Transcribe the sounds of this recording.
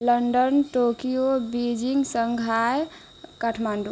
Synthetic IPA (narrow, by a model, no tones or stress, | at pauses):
ləɳɖənʈokijobid͡ʒiŋɡsəŋɡʱaj | kaʈʰmaɳɖ